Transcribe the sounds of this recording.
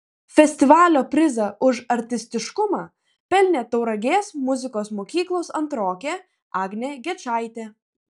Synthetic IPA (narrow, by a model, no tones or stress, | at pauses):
fʲɛsʲt̪ʲɪʋɑːlʲoːpʲɾʲɪzɐʔʊʃɐɾʲt̪ʲɪsʲt̪ʲɪʃkʊmɑː | pʲɛlʲnʲeːt̪ɒʊɾɐɡʲeːsmʊzʲɪkoːsmoːkʲiːklˠoːsɐnt̪ɾoːkʲeː | ɑːɡnʲeːɡʲɛt͡ʃɑɪt̪ʲeː